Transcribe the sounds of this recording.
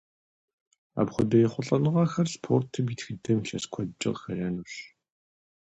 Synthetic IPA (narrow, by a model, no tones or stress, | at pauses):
a̰pχʷʊdɐjɛχʷʊɬʼɐnɨʁɐxɐrspʰoːrtʰɨmitʰxɨdɐmɬɐskʷʰɔdt͡ʃʼɪ̰qxɐrɐnuɕ